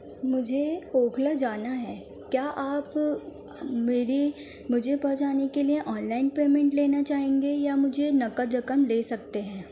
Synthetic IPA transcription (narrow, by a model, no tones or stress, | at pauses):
mʊd͡ʒʱeoːkʰlad͡ʒaːnaɦɛː | kjaːʔaːp | meːɾi | mʊd͡ʒʱepɔɦt͡ʃaːnekelieʔɔːnlaːɪnpeːmɛ̃ɳʈleːnat͡ʃaːɦẽːŋɡejamʊd͡ʒʱenɐkəɾɐkəmleːsɐk̚t̪eɦɛ̃ː